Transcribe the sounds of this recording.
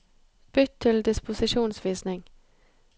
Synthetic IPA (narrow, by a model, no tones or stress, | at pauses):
b̥ʏt̪ʰːɪld̪ɪspʊsɪʃuːnsʋiːsnɪŋ